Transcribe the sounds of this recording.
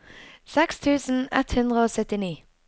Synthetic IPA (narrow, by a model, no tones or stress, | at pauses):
sɛkst̪ʰʉːsn̩ɛ̰t̪hʉnd̪ʁəoːsœt̪ɪniː